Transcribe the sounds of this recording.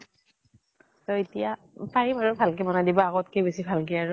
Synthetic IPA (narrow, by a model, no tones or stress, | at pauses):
sɔitija | paɹibaɹʊbʱalkɛbɔnadibɔaɡɔtkebesibʱalkɛaɹʊ